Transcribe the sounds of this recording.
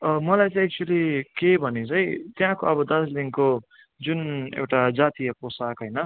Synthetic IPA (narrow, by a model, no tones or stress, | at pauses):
ʌmʌlajt͡sʌj̃ɛk̚t͡ʃuʌlikebʱʌnit͡sʰʌjt̪jãkoʌbʌd̪ʌsliŋko | d͡zunḛwʈad͡zat̪ijʌposakɦʌjnʌ